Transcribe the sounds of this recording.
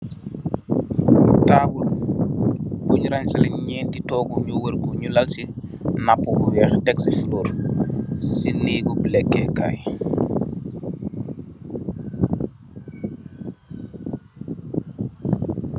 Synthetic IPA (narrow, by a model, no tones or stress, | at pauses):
taːbul | buɲɾaɲsalɛɲɲɛːntitɔːɡuɲuwəɾɡuɲulalsinapːubuwɛːxdɛksifuluːɾ | siniːɡubulɛkːɛka̰j